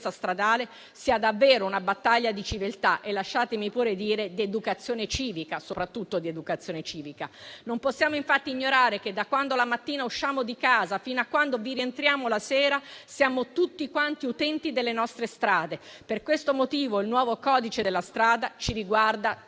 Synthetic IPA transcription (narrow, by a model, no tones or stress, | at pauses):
sast̪ɾad̪aːle | siːad̪avːeːɾounabat̪ːaʎːad̪it͡ʃivelt̪aʔelːaʃːaːt̪emipuːɾed̪iːɾed̪ed̪ukat̪sːjoːnet͡ʃiːvikasopɾat̪ːut̪ːod̪ied̪ukat̪sːjoːnet͡ʃiːvikanomposːjaːmoiɱfat̪ːiːɲːoɾaːɾeked̪akwand̪olamat̪ːiːnauʃːaːmod̪ikaːzafinakːwand̪oviɾient̪ɾjaːmolasɛːɾasjaːmot̪ut̪ːikwant̪iut̪ɛnt̪id̪elːenɔst̪ɾest̪ɾaːd̪e | perkwest̪omot̪iːvoilnwɔːvokɔːd̪it͡ʃed̪elːast̪ɾaːd̪at͡ʃiɾiɡward̪a